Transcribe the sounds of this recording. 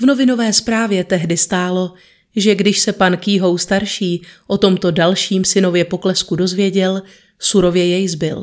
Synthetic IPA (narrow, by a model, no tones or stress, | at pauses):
vno̞vɪno̞vɛːspɾaːvjɛt̪ɛɦdɪst̪aːlo̞ | ʒɛɡdɪʃsɛpankiːɦo̞wst̪aɾʃiːʔo̞t̪o̞mt̪o̞dalʃiːmsɪno̞vjɛpo̞klɛskudo̞zvjɛɟɛl | suɾo̞vjɛjɛjzbɪl